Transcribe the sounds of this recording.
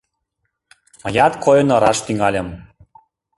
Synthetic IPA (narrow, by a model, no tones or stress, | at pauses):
mə̆jɑt̪kojə̆nəɾɑʃt̪yŋɑlʲə̆m